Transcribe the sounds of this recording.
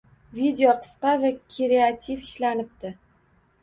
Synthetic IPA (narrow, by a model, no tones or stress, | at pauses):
vid̪eoqʰɨ̥sqɑvakʲʰeɾeat̪ʰifɪʃlanɪp̚t̪ɪ